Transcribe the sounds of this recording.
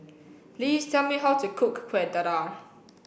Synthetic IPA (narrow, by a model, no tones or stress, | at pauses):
pʰliːztʰɛlˠmiɦatʰukʰʊkːʰwɛd̪əɾa